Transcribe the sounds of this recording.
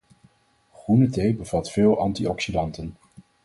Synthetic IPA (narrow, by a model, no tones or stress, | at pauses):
χrunətejbəv̥ɑtfɪːlˠʔɑntiɔksidɑntən